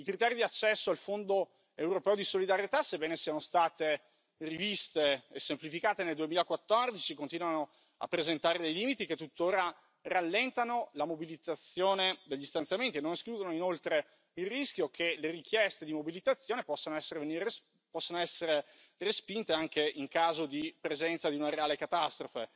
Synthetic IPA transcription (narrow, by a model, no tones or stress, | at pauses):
ikɾit̪ɛːɾid̪iat͡ʃːɛsːoalfond̪o | ewɾopɛːod̪isolid̪aɾjet̪asebːɛːnesianost̪aːt̪e | rivist̪eesːemplifikaːt̪eneld̪uemiːlakwat̪ːɔrd̪it͡ʃikont̪iːnwano | a̰pːɾezent̪aːɾed̪ejliːmit̪iket̪ːut̪ːoːɾa | ralːɛnt̪anolamobilit̪at̪sːjoːned̪eʎːist̪anjament̪ienːoneskluːd̪onoinolt̪ɾe | ilrisk̟jokʰeleɾik̟jɛst̪ed̪imobilit̪at̪sːjoːnepɔsːanoɛsːeɾeveniɾe | pɔsːanoɛsːeɾe | respint̪eaŋkeʔiŋkaːzod̪ipɾezɛnt̪sad̪iunaɾeaːlekat̪ast̪ɾofe